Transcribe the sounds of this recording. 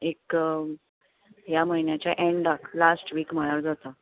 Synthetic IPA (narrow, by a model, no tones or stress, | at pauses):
ek | jaməɦinjat͡ɕjaʔeɳɖaklasʈʋiːkm̤əɭəɾd͡zat̪a